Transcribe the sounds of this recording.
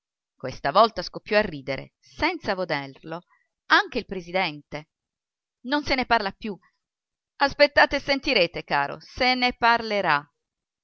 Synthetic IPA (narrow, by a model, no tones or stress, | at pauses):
kwest̪avɔlt̪askopːjɔarːiːd̪eɾʔḛ | sɛnt̪savod̪erlo | aŋk̟eilpɾezid̪ɛnt̪e | nonseneparlapːju | aspet̪ːaːt̪esent̪iɾeːt̪ekaːɾo̰seneparleɾa